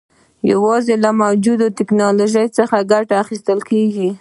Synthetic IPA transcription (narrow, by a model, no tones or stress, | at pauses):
ja̰wɑzelamawd͡ʒud̪ot̪ɪknɑloʒəjt͡səxaɡaʈaːxist̪əlkeɡi